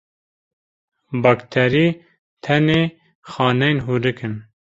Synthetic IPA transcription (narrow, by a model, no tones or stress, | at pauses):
bɑːkt̪ʰɛɾiː | tt̪ʰɛneː | xɑːnɛjnɦuːɾɨkɨn